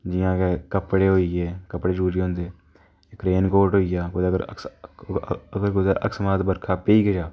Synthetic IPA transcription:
d͡ʒɪjãːkekəpɽeːɦoːiːɛːkəpɽeːd͡ʒəuːɾiːɦõːnd̪eː | kɾeːnkoːʈɦoːijaːkʊd̪əɡəɾə̰s | əɡəɾkʊd̪əɾə̰ksmaːt̪bəɾkʰaːpeiːkəd͡ʒaː

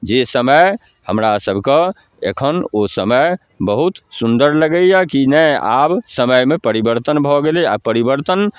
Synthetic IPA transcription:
d͡ʒesəməj | həmɾasəbʱke | ḛkʰənosəməj | bəɦut̪sund̪əɾləɡəjjakinɛa̰bsəməjmepəɾibəɾt̪ənbʱɔɡelea̰pəɾibəɾt̪ən

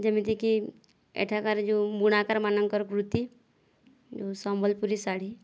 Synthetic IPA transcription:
d͡ʒemit̪iki | ḛʈʰakaɾd͡ʒubuɽ̃akaɾmanəŋkɔɾkɾut̪i | d͡ʒosɔmbʱɔlpuɾisaɽi

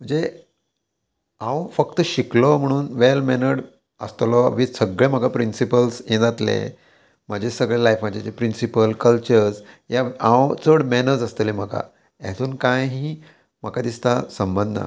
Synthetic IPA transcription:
m̤əɳd͡ze | ãwfəkt̪əɕiklɔm̤əɽ̃uːnʋelmɛnəɽ | əst̪lɔʋisəɡɭem̤əɡapɾinsipəlsẽd͡zat̪lḛ | m̤əd͡ʑʱesəɡɭelajfməd͡ʑet͡sepɾinsipəlkəlt͡ɕəɾs | jaãwt͡səɽmɛnəd͡zəst̪əlim̤əka̰ | ɛ̰t̪ʰuːnkãjɦiː | m̤əkad̪ist̪asəmbə̃nd̪ʱə̰

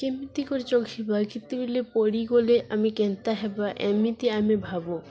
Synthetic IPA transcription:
kemit̪ikoɾet͡ɕokʰibakit̪ːibilepoɾiɡoleʔamikent̪aɦɛbaʔɛ̰mit̪iamibʱabo

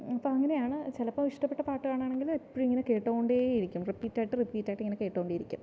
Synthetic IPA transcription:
ɐpːoːɐŋːɐne̞jaːɳɨt͡ɕelɐpːoːmiʂʈɐpːeʈːɐpaːʈːɨɣaːɳaːɳeŋɡilipːoɻuiŋːɐneke̞ːʈːoːuɳɖeiɾikʲːumripːiːtːaːjʈːɨripːiːtːaːjiʈːɨiŋːɐneke̞ːʈːoːoɳɖejiɾikʲːum

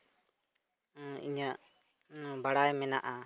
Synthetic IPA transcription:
ḭɲaʔ | baɽajmɛnaʔa

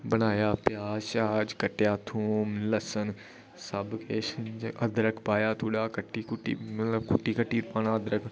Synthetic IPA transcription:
bənaːjaːpjaːʃaːd͡ʒkəʈjaːt̪ʰuːmləsən | səbkeːʃənd͡ʒʔəd̪ɾəkpaːjaːt̪ʰuːɽaːkəʈːiːkʊʈːḭːmɐt̪ləbkʊʈːiːkəʈːiːɾpaːnaːəd̪ɾək

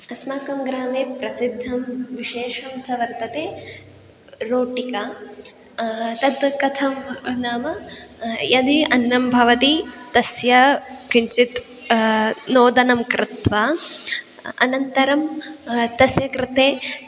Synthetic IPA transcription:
ɐsmaːkɐmɡɾaːmeːpɾɐsid̪ʱːɐmʋiʃeːʂɐmt͡ʃɐʋɐɾt̪ɐt̪eː | ɾoːʈika | t̪ɐd̪kɐt̪ʰɐmnaːmɐ | jɐd̪iɐnːɐmbʱɐʋɐt̪it̪ɐsjɐkiɲt͡ʃit̪ | noːd̪ɐnɐmkɾɪt̪ʋɐ | ɐ̰nɐnt̪ɐɾɐmt̪ɐsjɐkɾɪt̪eː

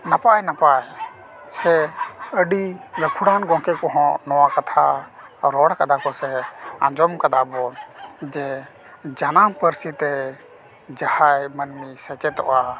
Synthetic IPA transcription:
napajnapaj | sɛəɖiɡəkʰuɽanɡɔ̃kɛkɔɦɔ̃nɔwakat̪ʰaɾɔɽakad̪akɔsɛã̰d͡ʒɔmkad̪abɔd͡ʒɛ | d͡ʒanampəɾsit̪ɛ | d͡ʒahajmənmisɛt͡ʃɛt̪ɔ̰ʔa

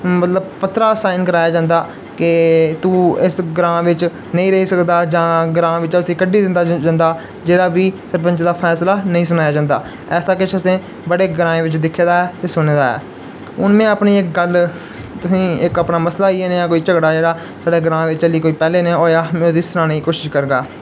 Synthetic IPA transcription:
mət̪ləbpət̪ːɾaːsaːɪnkəɾaːjaːd͡ʒãːnd̪aː | kɪt̪uːɪsɡɾãːʋɪt͡ʃ | nəĩːɾəɦiːsəkd̪aːd͡ʒãːɡɾãːʋɪt͡ʃʊsĩːkəɖiːd̪ɪnd̪aːd͡ʒand̪aː | d͡ʒeːɽaːbiːsəɾpə̃ɲt͡ʃd̪aːpʰɛːslaːnəĩːs̬ʊnaːjaːd͡ʒãːnd̪a̰ː | ɛːsaːkɪt͡ʃʰəsẽː | bəɽeːɡɾãːẽːʋɪt͡ʃd̪ɪkʰːeːd̪aːɛːt̪eːsʊneːd̪aːɛ̰ː | ʊnmẽːəpniːɪk̚ɡəl | t̪ʊsĩːɪkəpnaːməslaːiːeːneãːkoːiːt͡ʃəɡɽaːd͡ʒeːɽaː | saːɽeːɡɾãːʋɪt͡ʃt͡ʃəliːkoːiːpɛːleːnẽːoːjaːmẽːoːd̪iːst̪ɾãːneiːkoːʃɪʃkəɾɡa̰ː

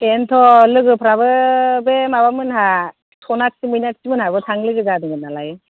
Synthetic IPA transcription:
ɛnt̪ʰɔlɯɡɯpʰɾabɯbemaβamɯnɦa | tʰɔnak̚simɯjnaksimɯnhabɯtʰaŋlɯɡɯzadɯŋɡɯnalajɯ

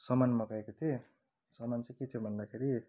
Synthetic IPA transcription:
sʌmanmʌkaekot̪ʰie | sʌmant͡sãket̪ʰjobʱʌnd̪akʰeɾi

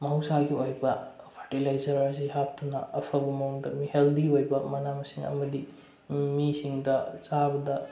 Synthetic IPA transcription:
mɐɦwsaɡiojbɐ | pʰɐʈilajzɐɾaziɦap̚tunɐɐpʰɐbɐmɐuŋdɐmiheldiojbɐmɐnamɐsiŋɐ̰mɐdi | misiŋdɐt͡ʃabɐdɐ

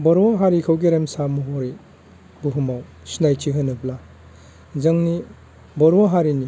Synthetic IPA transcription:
bɔɾwaɦaɾikʰawɡiɾemsamuɦɔɾi | buɦumaw | sinajtʰiɦɯnɯpla | zɐŋni | bɔɾwaɦaɾini

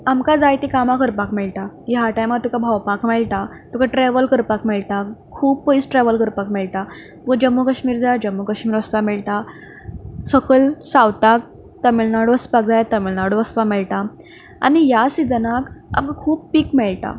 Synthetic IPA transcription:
amkad͡zajt̪ikamakəɾpakmɛɭʈajɦaʈajmaɾt̪ukabʱawpakmɛɭʈa | t̪ukʰaʈɾɛʋəlkəɾpakmɛɭʈakʰuːb̚pəisʈɾɛʋəlkəɾpakmɛɭʈ̪at̪ukad͡ʑəmːukəɕmiːɾd͡zajad͡ʑəmːukəɕmiːɾʋəspakmɛɭʈa | səkəɭsawt̪ak̚ | t̪əmilnaɽʋəspak̚d͡zajat̪əmilnaɽʋəspamɛɭʈa | a̰nijasid͡zənaka̰mkakʰuːb̚pikmɛɭʈa̰

